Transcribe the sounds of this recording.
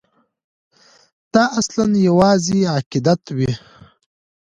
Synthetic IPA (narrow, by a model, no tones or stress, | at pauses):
t̪ɑʔaslanjawɑːziaqɪd̪at̪wi